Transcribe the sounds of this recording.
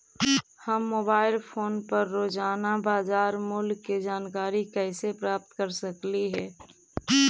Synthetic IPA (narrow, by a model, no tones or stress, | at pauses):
həmːoːbaːɪlpʰoːnpəɾːoːd͡ʒaːnabaːzaːɾmʊlɡːed͡ʒaːnkaːɾikɛɪsepɾaːp̚t̪kəɾsəkliɦɛː